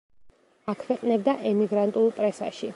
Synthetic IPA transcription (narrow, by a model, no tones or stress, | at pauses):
akʰwɛqʼnɛb̚d̪aʔɛmiɡɾant̪ʼulˠpʼɾɛsa̰ʃi